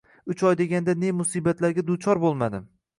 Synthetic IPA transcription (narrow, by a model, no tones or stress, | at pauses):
ʊt͡ʃʰɒjd̪e̞ɡʲand̪anemʊsiːbat̪ʰlaɾɡʲad̪ʊt͡ʃʰɒɾbolˠmad̪ɪm